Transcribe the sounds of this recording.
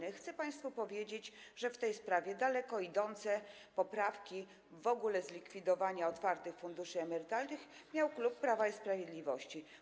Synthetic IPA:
ɛxt̪sɛpaj̃st̪fupɔvʲjed͡ʑed͡ʑʐɛft̪ɛjspɾavʲjɛd̪alɛkɔid̪ɔnt̪sɛ | pɔpɾafkʲi | vɔɡulɛzlʲikfʲid̪ɔvaɲaɔt̪faɾt̪ɘxfund̪uʂɘɛmɛɾɘt̪alnɘxmʲjawklupːɾavaispɾavʲjed̪lʲivɔɕt͡ɕi

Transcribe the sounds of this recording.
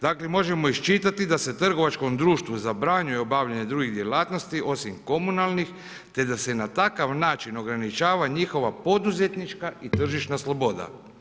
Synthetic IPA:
d̪aːklemo̞ʒe̞mo̞iʃt͡ʃit̪at̪id̪ase̞t̪r̩ɡo̞ʋat͡ʃko̞md̪ɾuːʃt̪ʋuzabɾaɲujeobaʋʎaɲed̪ɾuɡiɣd̪je̞laːt̪no̞st̪iʔo̞simko̞munalˠnix | t̪e̞d̪ase̞nat̪akaʋnaːt͡ʃino̞ɡɾanit͡ʃaːʋaɲixo̞ʋapo̞d̪uze̞t̪nit͡ʃkait̪r̩ʒiʃnaslˠobo̞d̪a̰

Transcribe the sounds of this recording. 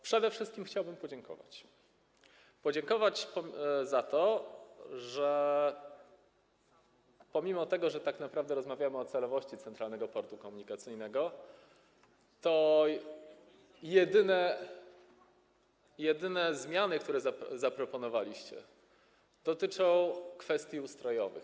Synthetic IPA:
pʂɛd̪ɛfʂɘst̪kʲimxt͡ɕawbɘmpɔd͡ʑɛŋkɔ̰va̰t͡ɕ | pɔd͡ʑɛŋkɔvat͡ɕpɔzat̪ɔ | ʐɛ | pɔmʲimɔt̪ɛɡɔʐɛt̪aknapɾavd̪ɛɾɔzmavʲjamɘɔt̪sɛlɔvɔɕt͡ɕit̪sɛnt̪ɾalnɛɡɔpɔɾt̪ukɔmuɲikat̪sɘjnɛɡɔ | t̪ɔ | jɛd̪ɘnɛ | jɛd̪ɘnɛzmʲjanɘk̚t̪uɾɛzazapɾɔpɔnɔvalʲiɕt͡ɕɛ̰ | d̪̥ɔt̪ɘt͡ʂɔ̃w̃kfɛst̪ʲjiust̪ɾɔjɔvɘ̰x

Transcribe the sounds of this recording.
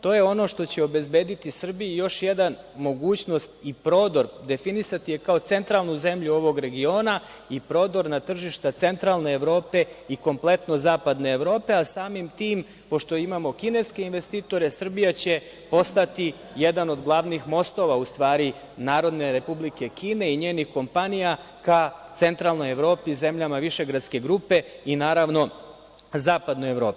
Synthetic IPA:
t̪o̞je̞o̞no̞ʃt̪o̞t͡ɕe̞o̞be̞zbe̞ːd̪it̪isr̩bijujo̞ʃje̞d̪an | mo̞ɡuːt͡ɕno̞st̪ipɾo̞ːd̪o̞ɾd̪e̞finisat̪ije̞kao̞t̪se̞nt̪ɾaːlˠnuze̞mʎuo̞ʋo̞ɡɾe̞ɡio̞ːna | ipɾo̞d̪o̞ɾnat̪r̩ʒiʃt̪at̪se̞nt̪ɾaːlˠne̞ːʋɾo̞ːpe̞iko̞mple̞t̪no̞zaːpad̪ne̞ːʋɾo̞ːpe̞asaːmimt̪iːm | po̞ʃt̪o̞imamo̞kine̞ske̞inʋe̞st̪iːt̪o̞ɾe̞sr̩bijat͡ɕe̞ | po̞st̪at̪i | jed̪ano̞d̪ɡlˠaʋnixmo̞st̪o̞ʋaust̪ʋaːɾi | naːɾo̞d̪ne̞ɾe̞publike̞kiːne̞iɲeːnixko̞mpanija | kat̪se̞nt̪ɾaːlˠno̞je̞ʋɾo̞ːpize̞mʎamaʋiʃe̞ɡɾat̪ske̞ɡɾupe̞inaːɾaʋno̞ | zaːpad̪noje̞ʋɾo̞ːpi̥

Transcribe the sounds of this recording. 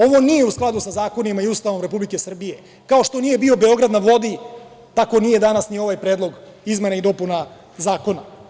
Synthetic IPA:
oʋo̞nije̞usklˠad̪usazaːko̞nimaiuːst̪aʋo̞mɾe̞publike̞sr̩bije̞ | kao̞ʃt̪o̞nije̞bio̞be̞o̞ɡɾad̪naʋlo̞d̪i | t̪ako̞nije̞d̪anasnio̞ʋajpɾed̪lˠo̞ɡ | izme̞naid̪o̞puna | zaːko̞na

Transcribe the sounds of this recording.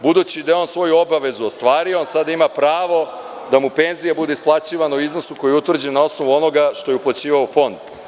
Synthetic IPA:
bud̪ut͡ɕid̪ajeo̞nsʋo̞juobaʋe̞zuost̪ʋaːɾioonsad̪aimapɾaːʋo̞ | d̪amupe̞nzijabud̪eisplˠat͡ɕiːʋanauizno̞suko̞jeut̪vr̩d͡ʑenao̞sno̞ʋuo̞no̞ɡaʃt̪o̞jeuplˠat͡ɕiːʋaofo̞nd̪

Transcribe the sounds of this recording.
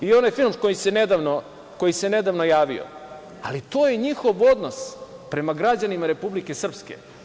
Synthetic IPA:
io̞najfilˠmkojisened̪aʋno | ko̞jise̞ne̞d̪aʋnojaːʋḭo̰ | alit̪oːjeɲixo̞ʋo̞d̪nospɾe̞maɡɾad͡ʑanimaɾe̞publike̞sr̩pskḛ

